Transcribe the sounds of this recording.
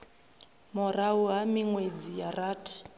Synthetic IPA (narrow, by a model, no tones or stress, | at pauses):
mɔrauɦamiŋwed͡zijaraːtʰi̥